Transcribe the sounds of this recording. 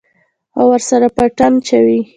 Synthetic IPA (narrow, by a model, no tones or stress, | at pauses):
awəɾsaɾapəʈant͡ʃawi